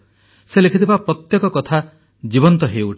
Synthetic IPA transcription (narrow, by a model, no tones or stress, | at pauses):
selekʰit̪ʰibapɾɔt̪jɔkɔkɔt̪ʰa | d͡ʒibɔnt̪ɔɦeuʈʰ